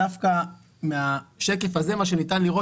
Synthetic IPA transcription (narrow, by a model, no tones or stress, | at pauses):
afka | meaʃe̞ke̞faze̞maʃ̬e̞nitanliʁo̞